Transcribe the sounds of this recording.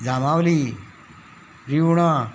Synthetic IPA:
d͡zamawli | ɾiwɽ̃a

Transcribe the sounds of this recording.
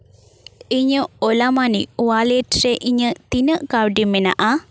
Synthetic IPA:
iɲəolamaniwaleʈreʔiɲət̪inəkaɾɖimena̰ʔa

